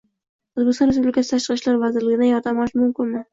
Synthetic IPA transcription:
ʊzbɪkʲst̪ɒnɾes̬publʲɪkʰʲasɪ̥t̪ʰaʃqɨʃlaɾvazɪɾlɪɡʲɪd̪ajɒɾt̪ʰamɒʃmʊmkʲɪnmɪ

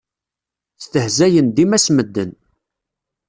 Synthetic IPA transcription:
θt̪əhzæjənd̪imæsməd̪ːən

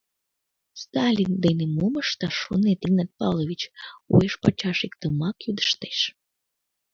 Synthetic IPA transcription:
st̪ɑlʲind̪enemoməʃt̪ɑʃonet̪iɡnɑt̪̚pɑlˠovʲit͡ɕṵeʃpɑt͡ɕɑʃikt̪əmɑkjud̪ə̥ʃt̪e̥ʃ

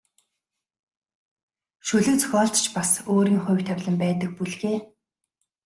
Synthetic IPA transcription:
ʃɵɮɵ̆kt͡sʰɔ̥xʲɔːɮt̪t͡ɕʰpasoːɾiːŋχʊ̟jw̥ʲt̪ʰawʲɮə̆mpæːt̪ə̆k̚puɮɣeː

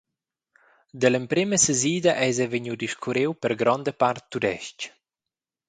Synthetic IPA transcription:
d̪ələmpɾiməsəziːd̪aʔɛzɛvəɲud̪iʃkʰuɾewpəɾɡɾɔnd̪əpaɾt̪ːud̪ɛʃc

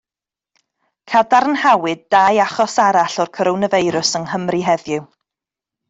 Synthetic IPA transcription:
kʰadaɾnhawɨd̚dajaχɔsaɾaɬɔrkʰɔɾɔwnəvejɾʊsəŋɦəmriɦɛðjʊw

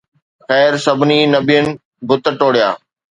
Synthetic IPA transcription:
xɛːɾsɐbʱɪninɐbijənɪ̆ | bʊt̪əʈoːɽijaː

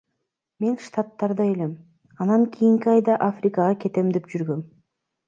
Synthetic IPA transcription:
me̞nʃt̪at̪ːɑɾd̪ɑe̞le̞m | ɑnɑŋkʲʰijiŋkiɑjd̪ɑʔafrʲɪkɑʁɑke̞t̪e̞md̪epd͡ʒyɾɡø̞m

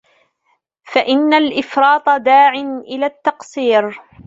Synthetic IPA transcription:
faʔɪnːalʔɪfɾˤɑːt̪ˤɑd̪aːʕɪnʔɪlaːt̪ːɑqsˤiːɾ

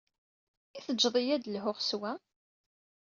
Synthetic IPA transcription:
iθəd͡ʒːðˤijæd̪lɦʊʁswæ

